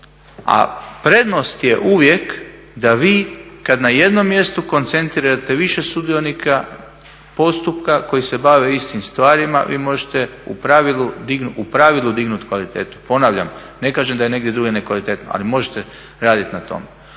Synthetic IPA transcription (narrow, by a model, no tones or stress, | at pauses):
a̰pɾe̞d̪no̞st̪je̞ʔuʋje̞k | d̪aʋiːkad̪naje̞d̪no̞mːje̞st̪uko̞nt̪se̞nt̪ɾiɾat̪e̞ʋiʃesud̪io̞nikʰa | po̞st̪upkako̞jise̞baʋeist̪imst̪ʋaːɾima̰ʋḭːmo̞ʒet̪eupɾaʋilud̪iɡnuʔupɾaʋilˠud̪iɡnut̪kʋalit̪e̞ːt̪u̥po̞naːʋʎa̰m | ne̞kaːʒemd̪aje̞ne̞ɡd̪je̞d̪ɾuɡenekʋalit̪e̞ːt̪noa̰limo̞ʒet̪e | ɾaːd̪it̪nat̪o̞̰me